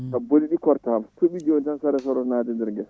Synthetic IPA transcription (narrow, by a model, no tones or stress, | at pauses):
kaboliɗikɔɾtahamtoɓid͡ʒowntansaɾɛs̬ɔɾɔnaːdɛndɛɾɡɛs